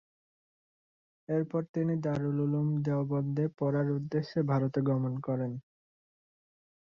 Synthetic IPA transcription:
eɾpɔɾt̪inid̪aɾululumd̪eobɔd̪ːepɔɾaɾud̪ːeʃːebʱaɾot̪eɡɔmonkɔɾen

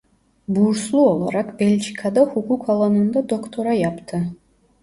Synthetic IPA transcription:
buːɾslˠuolˠɑɾɑqbelʲt͡ʃikʰɑd̪ɑhukukɑlˠɑnɯnd̪ɑd̪okt̪oɾɑjɑpt̪ʰɯ

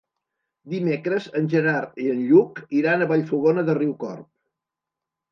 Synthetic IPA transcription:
d̪imekɾəzənʲʒənaɾiənʎukiɾanəβaʎfuɣonəðəriwkɔ̰rp̚

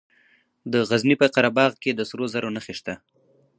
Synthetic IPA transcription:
d̪əɣaznipəqaɾabɑɣked̪əsɾozaɾonaxeʃt̪a

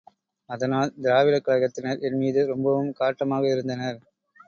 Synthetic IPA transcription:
ɐðɐnaːld̪ɪɾaːʋɪlɐkːɐɭɐɣɐt̪ːɪnɐɾɛnmiːðɯɾɔmbɐʋɯmkaːʈːɐmaːɣɐɪɾɯnd̪ɐnɐɾ

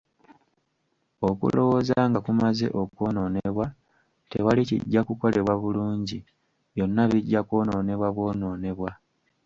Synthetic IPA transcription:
okṵlo̞wo̞zaːŋɡakumaze̞̰ʔo̞koːno̞ːneβwa | te̞walicḭɟːakuko̞le̞βwaβuluːɲɟi | βjo̞nːaβiɟːakoːno̞ːne̞βwaβwo̞ːno̞ːne̞βwa

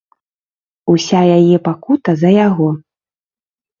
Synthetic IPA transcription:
usʲajajɛpakut̪ɐzɐjaɣɔ

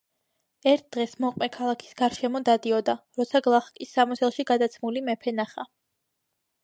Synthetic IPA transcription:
ɛɾt̪̚ʰd̪̥ʁɛsmɔqʼmɛkʰalˠakʰi̥sɡ̥aɾʃɛmɔd̪ad̪iɔd̪aɾɔt̪sʰaɡlˠaχkʼisːamɔt̪sʰɛlˠʃiɡad̪at̪sʰmulimɛpʰɛnaχa

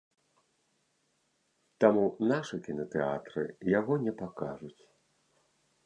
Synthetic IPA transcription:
t̪amunaʂɨkʲinɐt̪ɛa̰t̪ɾɨ̰jaɣɔnʲɛpakaʐut͡sʲ

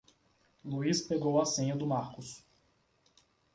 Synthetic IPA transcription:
luispeɡowasẽɲɐd̪ʊmaɾkʊs

